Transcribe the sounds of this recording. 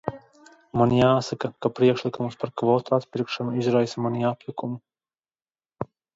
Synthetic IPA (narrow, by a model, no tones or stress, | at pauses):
manjaːsakakapɾiɛkʃlˠikumspaɾkvɔːt̪uat̪pʲiɾkʃanuizɾajsamaniapʲlʲukumu